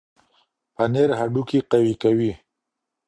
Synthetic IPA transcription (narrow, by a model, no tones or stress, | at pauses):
paneɾɦaɖukiqawikawi